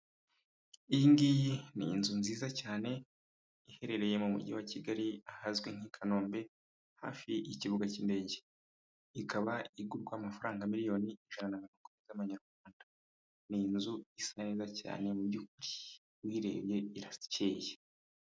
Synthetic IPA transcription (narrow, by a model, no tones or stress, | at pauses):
iŋɡijinḭːnzunziːzacaːne̞ | ihe̞ɾe̞ɾe̞je̞mumṵɟiwaciɡaɾiahazɡweŋ̥ikʰano̞ːmbe̞ | ha̰ːfiʔiciβuɡaciːnde̞ɟe | ikʰaβaiɡuɾɡwamafaɾaːŋɡamiɾijo̞ːniiʒananaminukumizaβaɲaɾɡwaːnda | niːnzuisaniːzaca̰ːne̞mubɟukuɾi | wiːɾe̞̰ːβje̞iɾaceːje